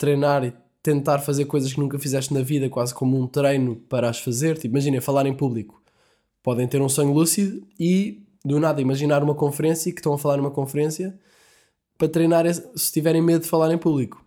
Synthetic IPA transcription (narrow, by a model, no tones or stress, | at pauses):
t̪ɾɐjnaɾi | t̪ẽnt̪aɾfɐzeɾkojzɐʃ̬knũŋkɐfizɛʃt̪nɐviðɐkwazkomũt̪ɾɐjnupɐɾaʃfɐzeɾt̪ipimɐʒinɐ̃j̃fɐlˠaɾẽj̃puβlˠiku̥ | pɔðɐ̃j̃t̪eɾũsoɲulˠusiðui | d̪unaðɐimɐʒinaɾumɐkõfɨɾẽsjɐkʃt̪ɐ̃w̃ɐfɐlˠaɾnumɐkõfɾẽsjɐ | pɾɐt̪ɾɐjnaɾɛssɨ̥t̪ivɛɾɐ̃j̃meðuðfɐlˠaɾẽj̃puβlˠiku̥